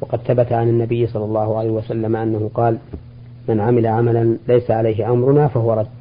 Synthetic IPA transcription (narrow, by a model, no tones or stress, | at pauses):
wɑqɑd̪θabat̪aʕanɪnːabɪjːsˤɑlːɑlˤːɑːhʊʕalajhɪwasalːamaʔanːahʊqɑːl | manʕamɪlaʕamalanlajsaʕalajɦɪʔamɾʊnaːfahʊwɑɾˤɑ